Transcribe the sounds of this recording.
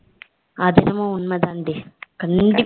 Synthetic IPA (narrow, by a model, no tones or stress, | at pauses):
ad̪iɾɐmounmɐd̪and̪ikɐnd̪i